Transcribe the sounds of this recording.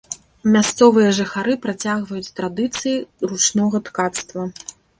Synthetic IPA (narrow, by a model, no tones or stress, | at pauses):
mʲast̪sɔvɨjɐʐɨxaɾɨpɾat͡sʲaɣvɐjut͡sʲt̪ɾad̪ɨt̪sɨjirut͡ʂnɔɣɐt̪kat̪st̪vɐ